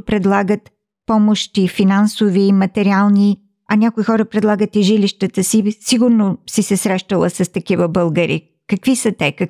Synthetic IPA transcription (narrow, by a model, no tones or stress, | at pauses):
pɾɛd̪lˠaɡət̪ | pɔmoʃt̪ifinansoviːmɐt̪ɛɾialˠni | ɐnʲakoixɔɾəpɾɛd̪lˠaɡət̪iʒiliʃt̪ət̪əsisiɡʊɾnosisɛsɾɛʃt̪əlˠə̰sɐst̪ɐk̟ivəbəlˠɡəɾḭ | kɐkvisət̪ɛkɐk